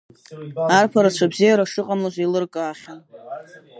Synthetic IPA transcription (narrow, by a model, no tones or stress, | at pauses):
arpʰaɾat͡ʃʷʰabzijaɾaʂɨqʼamlaʒʷilɨrkʼaaχʲon